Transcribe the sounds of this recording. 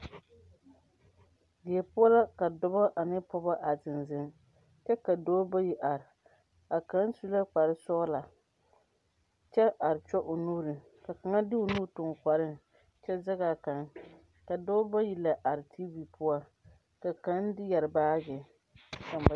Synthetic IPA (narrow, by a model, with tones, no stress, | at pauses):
bɪ˨ɛ˨pʊ˦a˦la˦ka˨dɔ˦bɔ˦ʔa˨nɪ˦pɔ˦ba˦ʔa˨zɪ˨nzɪ˦m | t͡ʃɛ˦ka˨doː˦ba˦ji˦ʔa˨ɾɪ˨ | a˨ka˦n˦su˦la˦k͡pa˨ɾɪ˦sɔ˦la˨ | t͡ʃɛ˦ʔa˨ɾɪ˨t͡ʃɔ˦ʔʊ˨nuː˦ɾɨ˨ | ka˨ka˨ŋa˦dɪ˦o˨nuː˦˨tʊ˨ŋ˨kʷa˨ɾɪ˦ | t͡ʃɛ˦za˦ɡa˨ka˨n | ka˨doː˦ba˦ji˦la˨ʔa˨ɾɪ˨tʰi˦vi˨pʊ˦a˦ | ka˨ka˨˦n˦dɪ˦jɛ˨ɾɪ˨baː˦ɡɛ˨ | ka˨mba˨